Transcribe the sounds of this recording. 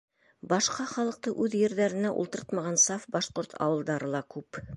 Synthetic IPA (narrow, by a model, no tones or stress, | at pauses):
bɑʃqɑχɑlˠɤ̆q̚t̪ɤʔʉðjɘ̆ɾðæɾɘ̆næʔṵlˠt̪ɤ̆ɾɤt̪mɑʁɑnsɑfbɑʃqoɾt̪ʰɑ̰wɤ̆lˠd̪ɑɾɤlˠɑkʉp